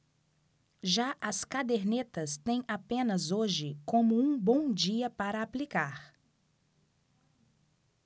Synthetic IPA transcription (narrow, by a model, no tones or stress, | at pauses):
ʒaʔɐskad̪eɾnet̪ɐst̪ẽj̃apẽnɐzoʒɪkõmʊũbõw̃d͡ʒiɐpaɾɐːplikaɾ